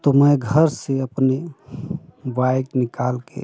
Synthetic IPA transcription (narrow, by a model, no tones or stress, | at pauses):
t̪oməjɡʱəɾseəpne | baɪknikalkḛ